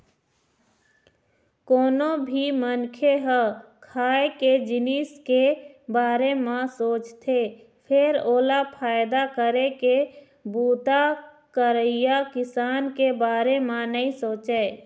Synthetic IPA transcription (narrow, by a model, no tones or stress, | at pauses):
koːnobʱimənkʰeɦəkʰaːeked͡ʒɪniskebaːɾemãsoːt͡ʃt̪ʰe | pʰɪɾoːlapʰaːɪd̪akəɾeke | buːt̪a | kəɾəijakɪsaːnkebaːɾemãnəĩsoːt͡ʃeː